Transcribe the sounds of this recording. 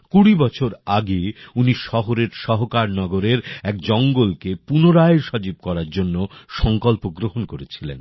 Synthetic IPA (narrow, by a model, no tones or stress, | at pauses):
kuɽibɔt͡ɕʰoɾaɡeuniʃɔɦoɾeɾʃɔɦokaɾnɔɡoɾeɾɛk̚d͡ʑɔŋɡolkepunoɾaeʃɔd͡ʑib̚kɔɾaɾd͡ʑonːoʃɔŋkɔlpoɡɾoɦonkoɾet͡ɕʰilḛn